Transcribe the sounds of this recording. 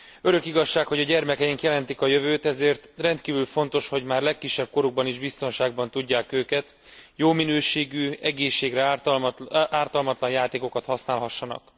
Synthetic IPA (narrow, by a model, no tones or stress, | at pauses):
ø̞ɾø̞kiɡɒʃːaːkho̞ɟɒɟɛrmɛkɛjiŋkjɛlɛnt̪ikɒjøvøːt̪ɛzeːrt̪rɛnt̪kiːvylfo̞n̪t̪o̞ʃho̞ɟmaːrlɛkːiʃːɛb̚ko̞ɾuɡ̚bɒniʒbist̪o̞nʃaːɡ̚bɒnt̪uɟːaːkøːkɛt̪joːminøːʃeːɡyːɛɡeːʃːeːɡrɛ | aːrt̪ɒlmɒt̪lɒnjaːt̪eːko̞kɒt̪hɒsnaːlɦɒʃːɒnɒ̰k